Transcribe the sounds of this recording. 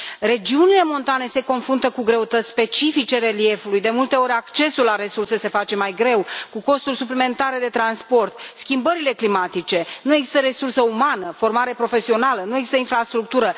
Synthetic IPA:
re̞d͡ʒiunile̞mo̞nt̪ane̞se̞ko̞nfɾunt̪əkuɡɾe̞ut̪ət̪sʲspe̞t͡ʃifit͡ʃe̞ɾelie̞fulujd̪e̞mult̪e̞o̞ɾʲakt͡ʃe̞sulːaɾe̞sursese̞fat͡ʃe̞majɡɾe̞wkuko̞st̪urʲsuplime̞nt̪aɾe̞d̪e̞t̪ɾanspo̞rt̪skʲimbəɾile̞klimat̪it͡ʃe̞nueɡzist̪əɾe̞sursəumanəfo̞rmaɾe̞pɾo̞fe̞sio̞nalənue̞ɡzist̪əinfɾast̪ɾuk̚t̪uɾə

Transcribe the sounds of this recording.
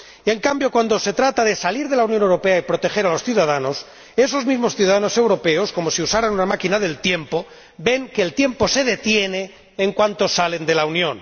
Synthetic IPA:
ie̞ŋkambjo̞kwand̪o̞se̞t̪ɾat̪aðe̞saliɾðe̞launjonewɾope̞aipɾo̞t̪e̞xe̞ɾalo̞sθjuðað̞ano̞s | e̞so̞zmizmo̞sθjuðaðano̞se̞wɾo̞pe̞o̞sko̞mo̞siusaɾanunamakinaðe̞lt̪je̞mpo̞ | be̞ŋkeːlt̪je̞mpo̞se̞ðe̞t̪je̞ne̞ː | ŋkwant̪o̞sale̞nd̪e̞launjõ̞n

